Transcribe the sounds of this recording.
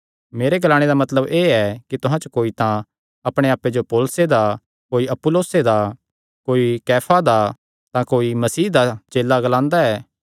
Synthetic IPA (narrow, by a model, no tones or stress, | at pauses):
meːɾeɡɐlaːɽ̃ed̪amɐt̪ləbeːɛkit̪ʊɦãt͡ʃokoːit̪ã | ɐpɽ̃eaːpːed͡ʒopoːlsed̪a | koːiɐpʊloːsed̪a | koːikɛːpʰad̪a | t̪ãkoːimɐsiːd̪at͡ʃeːlːaɡɐlãːnd̪aɛː